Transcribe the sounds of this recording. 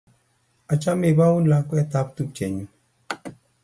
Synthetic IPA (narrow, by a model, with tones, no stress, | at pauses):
a˨t͡ʃa˦me˦˨ba˦wu˦la˧˦kwɛ˦ta˦p̚tu˦˨t͡ʃɛ˨ɲũ˨